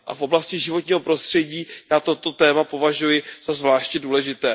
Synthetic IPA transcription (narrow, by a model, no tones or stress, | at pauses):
ʔa̰fʔo̞blascɪʒɪvo̞t̪ɲiːɦo̞pɾo̞st̪r̝̥ɛɟiːjaːt̪o̞t̪o̞t̪ɛːmapo̞vaʒujɪz̥azvlaːʃcɛduːlɛʒɪt̪ɛː